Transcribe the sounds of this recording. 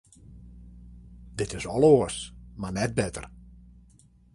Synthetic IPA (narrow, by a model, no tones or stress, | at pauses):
dɪtɪsɔlˠoəsmanɛt̚bɛtə̰r